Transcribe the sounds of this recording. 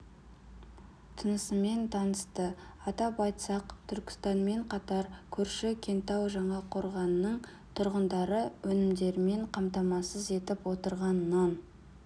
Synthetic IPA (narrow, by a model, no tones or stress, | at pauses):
t̪ʰənəsəme̞nt̪ʰɑnəst̪əɑt̪ɑpɑjt̪sɑqt̪ʰʏɾkʲɪ̥st̪ɑnme̞ɴqʰɑt̪ɑɾkʲʰɵɾʃɪkʲʰe̞nt̪ɑwʒɑɴɑqʰo̞ɾʁɑnənəɴ | t̪ʰʊɾʁənd̪ɑɾəwɵnɪmd̪e̞ɾɪme̞ɴqʰɑmt̪ɑmɑsəze̞t̪ɪpwo̞t̪əɾʁɑnːɑn